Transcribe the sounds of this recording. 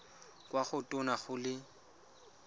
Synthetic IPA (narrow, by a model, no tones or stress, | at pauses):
kʼwaχʊtʼʊnaχʊlɪ